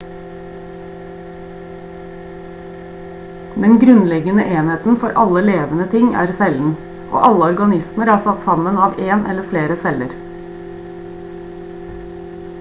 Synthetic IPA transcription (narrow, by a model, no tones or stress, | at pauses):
d̪ɛnɡɾʉnlɛɡənəʔeːnheːt̪n̩fɔɾʔɑləleːʋənət̪ʰɪŋʔæ̰ːɾsɛln̩ | ʔo̰ːʔɑləɔɾɡɑnɪsməɾæːsɑt̪sɑmənɑːʋeːnʔɛləfleːɾəsɛləɾ